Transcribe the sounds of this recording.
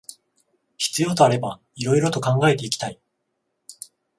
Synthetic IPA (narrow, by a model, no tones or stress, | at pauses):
çi̥t͡sɨjo̞ːt̪o̞aɾe̞ba | iɾo̞iɾo̞t̪o̞kãŋɡae̞t̪e̞ikʲi̥t̪ai